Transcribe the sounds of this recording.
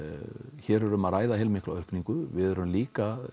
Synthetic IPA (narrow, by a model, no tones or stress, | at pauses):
çɛɾœɾʏmaðraːjðaɦɛlmɪkla̰œhkniŋkʏvɪðœɾɾʏmliːka